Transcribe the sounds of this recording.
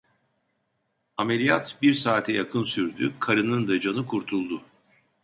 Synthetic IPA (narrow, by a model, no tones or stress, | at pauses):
amelʲijat̪biɾsaːt̪ʰɛjakʰɯnsyɾd̪y̰kʰaɾɯnɯnd̪ad͡ʒanɯkʰuɾt̪ʰulˠd̪ʊ